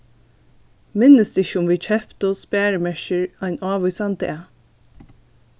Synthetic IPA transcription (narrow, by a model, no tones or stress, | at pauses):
mɪnːəst̪ɪçəʊmvʋiːt͡ʃʰɛpt̪ʊspæːɹəmɛʃɪɹajnɑːʋʊjsant̪ɛː